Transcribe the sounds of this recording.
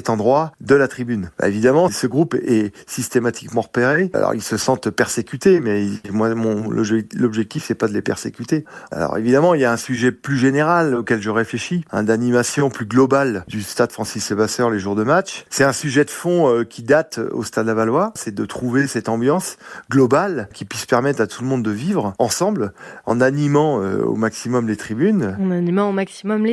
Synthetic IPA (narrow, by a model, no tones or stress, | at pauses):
ɛt̪ɑ̃d̪ʁwad̪əlat̪χibynba̰evid̪amɑ̃səɡʁupɛsist̪emat̪ʰi̥kmɑ̃ʁəpeʁea̰lɔ̰ʁḭlsəsɑ̃t̪pɛʁsekʲyt̪emɛmwamɔ̃nʔɔ̰bʒɛlɔbʒɛk̚t̪ifsɛpad̪əlepɛ̰ʁsekʲyt̪ea̰lɔ̰ʁḛvid̪amɑ̃iljaɛ̃syʒɛplyʒeneʁalokʲɛlʒəʁefleʃiɛ̰̃d̪animasjɔ̃plyɡlɔbald̪yst̪ad̪fχɑ̃sisvasœʁleʒuʁd̪əmatt͡ʃsɛt̪ɛ̃syʒɛd̪əfɔ̃økʲʰid̪at̪o̰st̪ad̪lavalwaʁsɛd̪ət̪χuvesɛt̪ɑ̃bjɑ̃sɡlɔbalkʲipɥispɛʁmɛt̪χat̪ʰuləmɔ̃d̪ːəvivʁɑ̃sɑ̃blɑ̰̃nanimɑ̃ø̰o̰maksimɔmlet̪χibynɑ̃nanimɑ̃omaksimɔmle